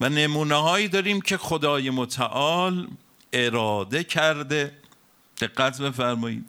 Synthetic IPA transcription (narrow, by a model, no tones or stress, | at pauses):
vænemuːneɦɒːjiːd̪ɒːɾiːmcʰe̞xod̪ɒːjemot̪ʰæʔɒːl | ʔe̞ɾɒːd̪e̞cʰæɾd̪e̞ | d̪̥e̞ɡːæt̪ʰbefæɾmɒːḭːd̪̥